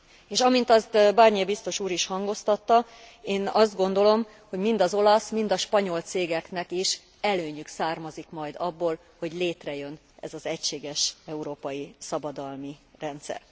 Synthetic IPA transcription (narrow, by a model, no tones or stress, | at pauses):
eːʃɒmint̪ɒst̪barɲiɛbist̪o̞ʃuːɾiʃhɒŋɡo̞st̪ɒt̪ːɒ | eːnɒzd̪̚ɡo̞nd̪o̞lo̞m | ho̞ɟmind̪ɒzo̞lɒsmind̪ɒʃpɒɲo̞lt̪seːɡɛknɛkiʃ | ɛløːɲyksaːrmɒzikmɒjd̪ɒbːoːl | ho̞ɟleːt̪rɛjø̞n | ɛ̰zɒzɛcʃeːɡɛʃɛuɾoːpɒjisɒbɒd̪ɒlmirɛnt̪sɛ̰r